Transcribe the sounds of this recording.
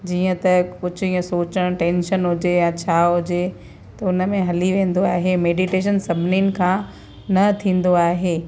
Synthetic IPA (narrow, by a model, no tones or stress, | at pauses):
d͡ʑiːə̃t̪ɐkʊd͡ʑiːə̃soːt͡ɕəɽ̃ʈẽːnʃənɦʊd͡ʑejãt͡ɕʰaːɦʊd͡ʑe | t̪ɐʊnə̆mẽɦɐliʋẽːn̆d̪oaːɦemeːɖiʈeːʃənsɐbʱɪninɪ̆kʰãː | nɐt̪ʰĩːn̆d̪oaːɦeː